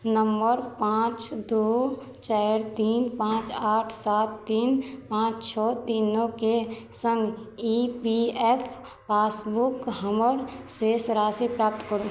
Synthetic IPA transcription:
nəmbəɾpãːt͡ʃd̪uː | t͡ʃaːɾt̪iːnpãːt͡ʃaːʈʰsaːt̪ːiːnpãːt͡ʃt͡ʃʰɔːt̪iːnːõkesə̃ŋɡipiɛːpʰ | paːsbukɦəməɾsesɾaːsipɾaːp̚t̪kəɾu

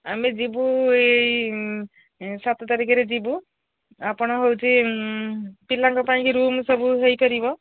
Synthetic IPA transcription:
amed͡ʒibuej | sat̪ɔt̪aɾikaɾed͡ʒibu | apɔɽ̃ɔɦowt͡ʃʰi | pilaŋkɔpaĩkiɾumsɔbuɦejkɔɾibɔ

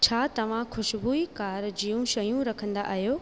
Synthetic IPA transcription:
t͡ɕʰaːt̪ɐʋ̤ãxʊʃbuikaːɾd͡ʑijũʃɐjũɾɐkʰə̃nd̪a̰ʔːɦijoː

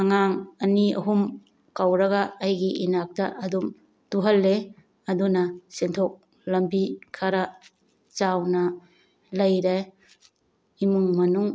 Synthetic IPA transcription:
aŋaŋɐniɐ̰ɦum | kawɾɐɡɐːjɡiʔinak̚tɐʔɐdum | tuɦɐlːe | ɐdunɐsentʰok̚ | lɐmbikʰaɾɐ | t͡ʃawnɐ | lɐjɾe | imuŋmɐnuŋ

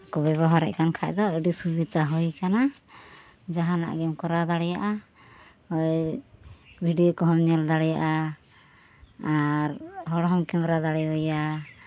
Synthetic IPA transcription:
kɔbɛβɔɦaɾɛ̰ʔkankʰaʔd̪ɔəɖisubid̪aɦɔjkana | d͡ʒaɦana̰ʔɡɛmkɔɾad̪aɽɛjaʔa | hɔj | bʱiɖijɔkɔɦɔmɲɛld̪aɽɛjaʔa | ɾɦɔɽɔɦɔmkɛmɾad̪aɽɛɦɔja

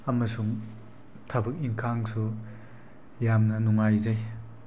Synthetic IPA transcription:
ɐmɐsuŋ | tʰabɯk̚iŋkʰaŋsu | jamnɐnuŋajzaj

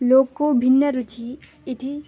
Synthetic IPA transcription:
loːkkobʱinːəɾut͡ʃʰi | ɪt̪ʰi

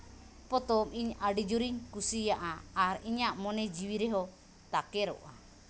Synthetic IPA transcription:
pɔt̪ɔmiɲaɖid͡ʒuɾiɲkusijaʔaːɾiɲaʔmɔnɛd͡ʒiwiɾɛɦɔ | t̪akɛɾɔ̰ʔa̰

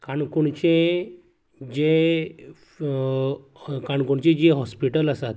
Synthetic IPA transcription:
kaɳkuɳt͡ɕe | d͡ʑe | kaɳkuɳt͡ɕed͡ʑeɦɔspiʈəlasat̪

